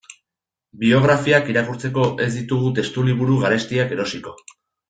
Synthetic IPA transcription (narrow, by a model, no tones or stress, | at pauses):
bio̞ɣ̞ɾafiakiɾakuɾt͡se̞ko̞ʔe̞zd̪it̪uɣ̞ut̪e̞st̪uliβuɾuɣaɾe̞st̪iake̞ɾo̞siko̞